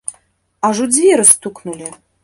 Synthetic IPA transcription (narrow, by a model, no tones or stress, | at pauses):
ɑʒud͡zvʲeɾəst̪uknulʲi